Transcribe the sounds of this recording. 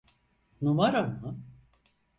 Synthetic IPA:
numaɾamɯ

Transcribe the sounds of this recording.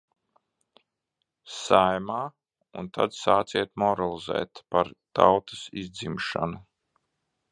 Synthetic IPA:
sajmaː | unt̪ʰad̪saːt̪siɛt̪mɔɾalˠizɛ̰ːt̪paɾt̪awt̪ḁsizd̪zimʃa̰nu

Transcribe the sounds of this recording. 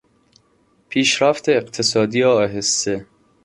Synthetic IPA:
pʰiːʃɾæft̪ʰeːqt̪ʰesɒːd̪iːɒːɦesːe

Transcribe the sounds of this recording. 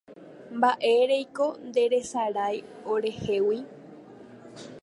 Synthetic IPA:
mbaʔe̞ɾe̞jko̞nd̪e̞ɾe̞saɾajoɾe̞he̞wi

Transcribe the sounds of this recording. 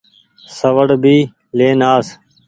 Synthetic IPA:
səʋəɽbiː | leːnaːs

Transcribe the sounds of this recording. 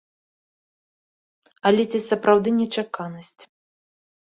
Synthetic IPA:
ɐlʲɛt͡sʲisɐpɾawd̪ɨnʲɛt͡ʂakanɐsʲt͡sʲ

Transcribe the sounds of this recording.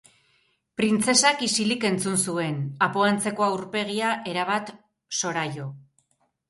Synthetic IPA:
pɾint͡se̞sakisilike̞nt͡sunsue̞napoant͡se̞ko̞awɾpe̞ɣiaʔe̞ɾaβ̞at̪ | so̞ɾajo̞

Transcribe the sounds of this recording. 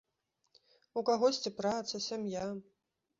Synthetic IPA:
ukaɣɔsʲt͡sʲipɾat̪sɐsʲamja

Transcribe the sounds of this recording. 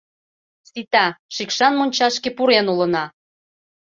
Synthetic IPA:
sit̪ɑʃikʃɑnmonʲt͡ɕɑʃkepuɾenulə̆nɑ

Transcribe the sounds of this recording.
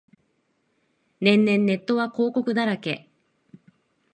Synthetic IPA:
nẽ̞nːẽ̞nːe̞t̪ːo̞βako̞ːko̞kɯ̟d̪aɾake̞̰

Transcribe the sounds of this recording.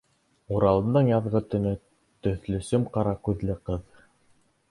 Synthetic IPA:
uɾɑlˠɤ̆nd̪ɤɴjɑðʁɤ̆t̪ɵ̆nɵ | t̪ɵ̆θlɵ̆sɵmqɑɾɑkʉðlɘqɤð

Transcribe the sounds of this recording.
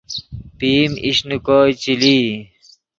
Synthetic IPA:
piːmiɕnukoːjt͡ɕiliː

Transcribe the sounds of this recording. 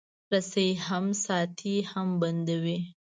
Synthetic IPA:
ɾaseɦamsɑt̪ʰihamband̪awi

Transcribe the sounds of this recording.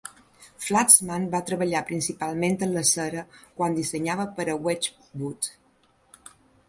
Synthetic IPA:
flat͡smanbat̪ɾəβəʎapɾinsipalˠment̪ənləsəɾəkwand̪isəɲaβəpəɾəwɛt͡ʃ | but̪

